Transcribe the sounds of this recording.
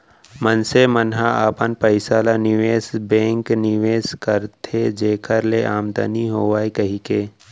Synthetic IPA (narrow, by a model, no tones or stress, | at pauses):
mənsemənɦaaːpənpəɪsaːlanɪʋeːsbẽːŋknɪʋeːskəɾt̪ʰed͡ʒeːkʰəɾleʔaːmd̪a̰niɦoːʋaːikɐɦikeː